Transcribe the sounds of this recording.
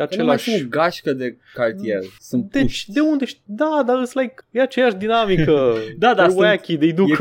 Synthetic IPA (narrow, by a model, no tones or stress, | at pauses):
at͡ʃelaʃoɡaʃkəd̪e | kart̪iersun̥et͡ʃd̪e̞und̪eʃt̪id̪ad̪aɨslajkjeat͡ʃejaʃd̪inamikəd̪ad̪awajakʲid̪ejd̪u